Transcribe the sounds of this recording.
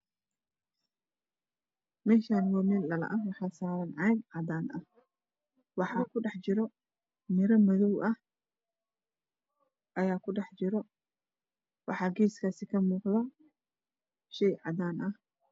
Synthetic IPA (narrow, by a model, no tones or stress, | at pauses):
mɛːʃaːnwɑːmɪlɐlɐ̰ʔɐwɑħɑːsaːɾɐnʕɑjnʕɑd̪aːnʔɐh | wɑħɑːkʰʊɖɑħt͡ʃɪɾɔ | mɪɾɐmɐðɔwʔɐh | ʔɐjaːkʰʊɖɑħt͡ʃɪɾɔ | wɑħɑːɡiːskʰaːsɪkʰɐmuːqðɐ | ʃɛjʕɑd̪aːnʔɐh